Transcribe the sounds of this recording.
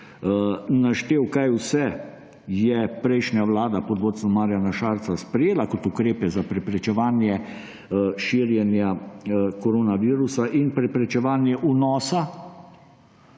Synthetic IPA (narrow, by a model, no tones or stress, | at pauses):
naʃt̪eːwkajwsɛ | jɛpɾɛjʃnjaʋlaːd̪apɔd̪ʋoːt̪sɔmaːɾjanaʃaːɾt̪saspɾɛjeːlakɔt̪ukɾeːpɛzapɾɛpɾɛt͡ʃɛʋaːnjɛ | ʃiːɾjɛnjakɔɾoːnaʋiːɾusaʔinpɾɛpɾɛt͡ʃɛʋaːnjɛʔunɔːsa